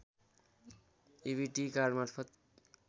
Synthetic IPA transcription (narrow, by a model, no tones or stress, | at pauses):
ibiʈikaɾɖmaɾpʰʌt̪